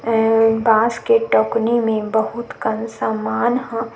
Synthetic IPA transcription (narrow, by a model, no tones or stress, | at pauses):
baːskeʈɔːknimẽbəɦʊt̪kɐnsaːmaːnɦã